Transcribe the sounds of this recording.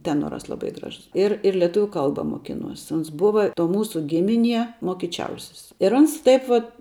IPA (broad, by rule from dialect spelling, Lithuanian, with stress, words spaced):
ˈtʲæːnoːrɐs lˠɐˈbɐɪ ˈɡrɑːʒʊs ˈɪr ɪr lʲɛˈtʊʋʲʊ ˈkɐlˠbɐ moːˈkʲɪnuɔs ˈoːns ˈbʊʋɐ toː ˈmuːsʊ ˈɡʲɪmʲɪˌnʲiɛ moːkʲɪˈt͡ʃʲɛʊsʲɪs ɪr ˈɐns ˈtɐɪp ʋɐt